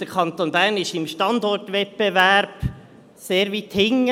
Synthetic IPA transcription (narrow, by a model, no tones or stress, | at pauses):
d̥əkʰɑnt̪onbæːrnɪʃɪmʃtɑnd̪ɔrtʋɛt̚b̥evæɾb̥ | seːɾʋit̪hɪŋːə